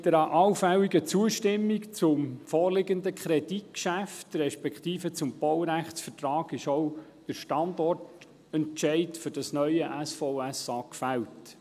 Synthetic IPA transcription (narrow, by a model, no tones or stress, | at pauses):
d̥əɾɑʔɑwfɛliɡət͡suəʃtɪmːikt͡sʊmfɔːrlɪɡəndəkχɾɛdit̚kʃæftɾɛʃpɛkt̪iːfət͡sʊmb̥ɔwɾæχtsfərtɾɑːɡɪʃɔʊ | d̥əɾʃtɑndɔrt | ɛnt͡ʃɛɪtfʏɾd̥ɑsnœʏəʔæsfɔʊæsɑːkfælt